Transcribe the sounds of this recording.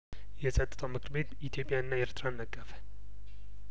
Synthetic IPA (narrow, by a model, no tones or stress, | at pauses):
jɛsʼət̪ʼːɨt̪ʰomɨkʰɨɾbet̪it̪ʰjo̞pʼjaɨnːaeɾt̪ʰɾanːəkʼːəfə̥